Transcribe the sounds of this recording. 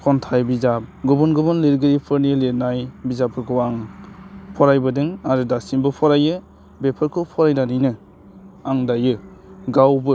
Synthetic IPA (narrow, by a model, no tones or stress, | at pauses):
kʰɔntʰajbizap̚ɡɯbɔnɡɯbɯnleɾɡɯɾipʰɯɾnileɾnajbizapʰɯɾkʰɯwaŋ | pʰɔɾajbɯdɯŋaɾɯdasinbɯpʰɔɾajɯ | bepʰɯɾkʰɯwpʰɔɾajnanɯjnɯ | aŋdajɯɡawbɯ